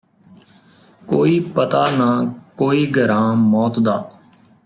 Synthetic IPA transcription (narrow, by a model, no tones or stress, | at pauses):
koːiːpət̪aːnãːkoːiːɡʱəɾãːmɔːt̪d̪aː